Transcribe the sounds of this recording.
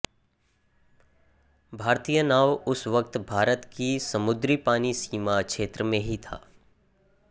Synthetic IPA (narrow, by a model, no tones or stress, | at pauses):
bʱaːɾt̪iːjənaːʋʊsʋəkt̪bʱaːɾət̪kisɐmʊd̪ɾipaːnisiːmakʃeːt̪ɾəmẽɦit̪ʰa̰ː